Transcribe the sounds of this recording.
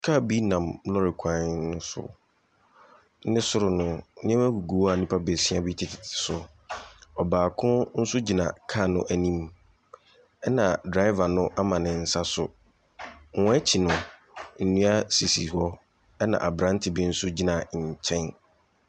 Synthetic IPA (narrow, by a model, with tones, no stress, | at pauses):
kʰa˦˨bi˦nã˨mlɔ˦ɾɪ˨kʷʰã˨nnʊ̃˦sʊ̰˨˦ | nɪ̃˦sʊ˦ɾʊ˨nʊ̃˦nɪ̃˦ɛ̃˦mæ˦ɡu˨ɡu˨˦a˨nĩ˦pʰa˦be˨sĩ˦a˦bi˦tʰɪ˨tʰɪ̥˨tʰɪ̥˨sʊ˨ | ɔ˨baː˨kʰʊ̃˦n̩˦sʊ˦d͡ʑi˨nã̰˨kʰa˦˨nʊ̰̃˦ʔæ˨nĩ˦m | ɛ˦nã˨dɾa˦ɪ˦va˨nʊ̃˦ʔa˦mã˨nɪ̃˨n̩˨sa˦sʊ̰˨ | ŋ˨ɔ̃˦ɛ˦t͡ɕʰi˨nʊ̃˨ | n̩˨nũ˦a˦si˨sḭ˨hɔ˦ | ɛ˦nã̰˨ʔa˨bɾã˦n˦tʰɪ˨bi˦n̩˦sʊ˦d͡ʑi˦nã˨t͡ɕʰɛ̃˦n